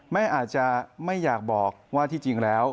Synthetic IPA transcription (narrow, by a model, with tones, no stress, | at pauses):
mɛː˥˩ʔaː˨˩t̪̚t͡ɕa˨˧˩ma˥˩jːaː˨˩k̚bɔː˨˩k̚waː˥˩t̪ʰiː˥˩t͡ɕi˧ŋlɛː˦˥w